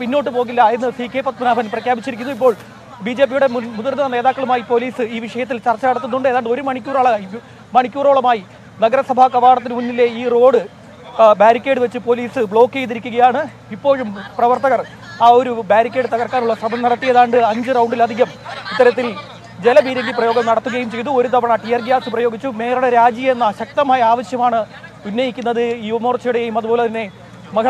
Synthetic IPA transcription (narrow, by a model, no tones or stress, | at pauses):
pinːo̞ːʈːɨpo̞ːɣilːɐenːɨsiːkʰːeːpɐt̪mɐnaːbʱɐnɐprɐkʰjaːbit͡ɕːiɾikʲːunːuipːo̞ːɭ | biːd͡ʑe̞ːp̬ːijuɽe̞mmuðɐrnːɐne̞ːðaːkːɐɭumaːjipo̞liːsɨiːʋiʂɐjɐt̪ːilt͡ɕɐrt͡ɕːɐkɐɽɐt̪ːunːuɳɖɨeðaːɳɖɨoɾumɐɳikʲːuːroːɭɐi | mɐɳikʲːuːro̞ːɭɐmaːji | nɐɡɐɾɐsɐbʱaːkɐʋaːɽɐt̪ːinɨmunːile̞iːro̞ːɽɨ | baːɾikʲːe̞ːɖɨʋe̞t͡ɕːɨpo̞liːsɨbɭo̞ːkːejt̪̬ːiɾikʲːuɣɐjaːɳɨ | ipːo̞ːɻumprɐʋɐrt̪ɐɣɐr | aːo̞ɾubaːɾikʲːe̞ːɖɨt̪ɐɣɐrkːaːnuɭːɐsɐbʱɐnɐɽɐt̪ːijɐðaːɳɖɨɐɲd͡ʑɨrɐwɳɖilɐd̪ʱiɣɐmit̪ːɐɾɐt̪̬ːil | d͡ʑe̞lɐbiːɾeŋɡiprɐjo̞ːɡɐmnɐɽɐt̪ːuɣɐjumt͡ɕe̞jt̪uo̞ɾut̪ɐbɐɳɐʈijɐrɡijaːsɨprɐjo̞ːɡit͡ɕːume̞ːɾɐɳɐɾaːd͡ʑijɐenːɐɕɐk̚t̪ɐmaːjɐaːʋɐɕjɐmaːɳɨunːɐjikʲːunːɐðɨjuʋɐmo̞ːrt͡ɕiɽɐjejumɐðubo̞ːlet̪ɐnːe̞ | mɐkʰɐ